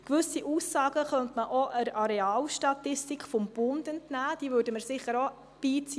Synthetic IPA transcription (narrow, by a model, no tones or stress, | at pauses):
kʋʏsiʔuːsːɑːɡ̥əχœntməʔoʔəɾɑɾeɑːlʃtɑtɪstikfɔmb̥ʊndɛntnæːd̥iːvøːɾdəməɾsɪχəɾo | b̥iːt͡siː